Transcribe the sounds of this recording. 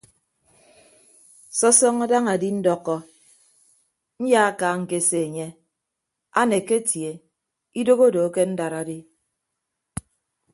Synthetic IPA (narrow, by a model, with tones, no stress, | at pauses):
sɔ˦sɔ˦ŋa˦da˦ŋa˨di˦n̩˦dɔ˦kːɔ˦ | n̩˦ja˦a˦kaː˨ŋ̩˨ke˨se˨ɲe˦ | a˦ne˨ke˦tje˨ | i˦do˦ɣo˦do˨˦ke˦n̩˦da˨ɾa˨di˦